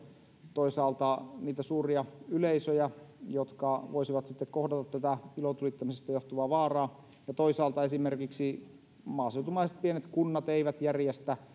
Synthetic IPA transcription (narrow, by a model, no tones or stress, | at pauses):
t̪oisɑːlt̪ɑniːt̪æsuːriɑyleisøjæjot̪kɑʋoisiʋɑt̪sit̪ːekkohdɑt̪ɑt̪ːæt̪æilot̪ulit̪ːɑmisest̪æjoht̪uʋɑːʋɑːrɑː | jɑt̪oisɑːlt̪ɑesimerkiksi | mɑːseut̪umɑˑiset̪̚pienet̪kunːɑt̪eiʋæt̪jærjest̪æ